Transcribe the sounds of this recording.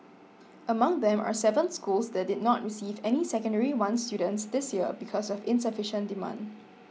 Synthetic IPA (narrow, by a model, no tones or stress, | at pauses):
ʔəmãŋd̪ɛ̃ma̰sɛvə̃nskulsdɛt̚dɪd̚ⁿnɔt̚ɹisiːvɛnisɛkə̃ndəɹiwãnstjudə̃ntsd̪ɪsjiəbikʰɔsɔfɪ̃nsəfɪʃə̃ndimã̰nd